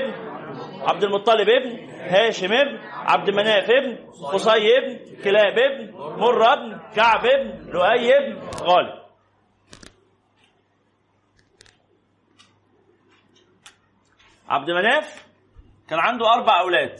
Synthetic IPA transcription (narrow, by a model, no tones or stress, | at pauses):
bnʕa̰b̚d̪ɪlmʊt̪ˤːɑlɪbebn | hæːʃɪmebnʕa̰b̚d̪ɪmænæːfebn | xosˤɑjːeb̚nkɪlæːbeb̚nmorˤːeb̚nkaʕbebnlʊʔæjːeb̚nɣæːlḭ | ʕa̰b̚d̪ɪmænæːf | kæːnʕand̪uʔɑɾˤbaʕʔæwlæːd̪